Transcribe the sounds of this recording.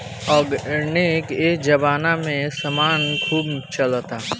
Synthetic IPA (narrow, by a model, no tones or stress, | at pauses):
ɔːɡnekeːkd͡ʒɐbaːnamẽsɐmaːnkʰuːbt͡ʃɐlt̪aː